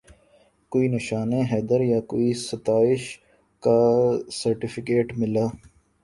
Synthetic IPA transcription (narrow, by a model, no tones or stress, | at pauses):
koːiːnɪʃaːneɦɛːd̪əɾjakoːisɐt̪aːɪʃ | kasɐɾʈɪfʰɪkeːʈmɪlaː